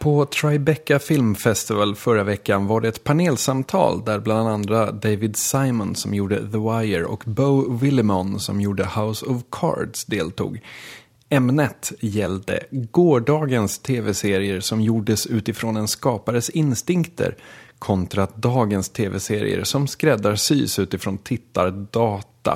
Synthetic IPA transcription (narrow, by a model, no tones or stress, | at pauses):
pʰɔt̪ʰɾajbɛkːafɪlmfɛst̪ɪvalfœɾavɛkːanvaɖɛɛt̪pʰaneːlsamt̪ʰɑ̰ːld̪æɾbland̪and̪ɾad̪ejvɪd̪saɪmənsɔmjuːɖə̰ðəwajəɾɔ̰kbəʊvɪlɪmɔnsɔ̰mjuːɖəhaʊsɔvkʰɑ̰ːɾɖsd̪eːlt̪ṵːɡ | ɛmnət̪jɛld̪ə̰ɡoːɖɑːɡənst̪ʰeːvɛseːɾɪəɾsɔmjuːɖəsʉ̟ːt̪ɪfɾoːnɛnskɑːpaɾəsɪnst̪ɪŋkt̪ʰə̰ɾkʰɔnt̪ɾat̪d̪ɑːɡənst̪ʰeːvɛseːɾɪ̰ə̰ɾsɔmskɾɛd̪ːaɾsy̰ːsʉ̟ːt̪ɪfɾoːnt̪ʰɪt̪ːaɾdɑːt̪a̰